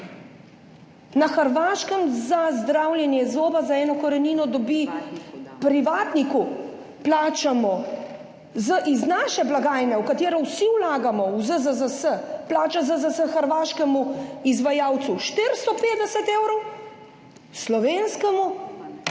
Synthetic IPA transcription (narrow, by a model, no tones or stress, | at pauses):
naxəɾʋaːʃkəmzazd̪ɾaːwljɛnjɛzoːbazaɛːnɔkɔɾɛniːnɔd̪ɔbi | pɾiʋaːt̪niku | plaːt͡ʃamɔ | zəʔiznaːʃɛblaɡaːjnɛwkat̪eːɾɔwsiwlaːɡamɔwzəzəzəsəplaːt͡ʃazəzəsəxəɾʋaːʃkɛmuizʋajaːwt̪suʃt̪iɾst̪ɔpeːd̪ɛsɛt̪ewɾɔw | slɔʋeːnskɛmu